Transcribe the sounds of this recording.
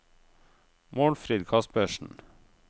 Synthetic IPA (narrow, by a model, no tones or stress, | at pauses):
moːɽfɾid̪kʰɑsbøːʃn̩